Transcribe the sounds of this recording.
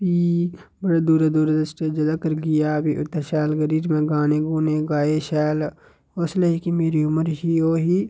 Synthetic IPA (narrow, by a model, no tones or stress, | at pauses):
piː | bəɽad̪uːɾad̪uːɾad̪əsʈed͡ʒɐlakəɾɡɪjaːbiʔʊt̪ːaʃɛːlɡəɾiːɾmẽːɡaːneːɡuːnẽɡaːeʃɛːl | oːsleikimeːɾiʊməɾɦioːɦiː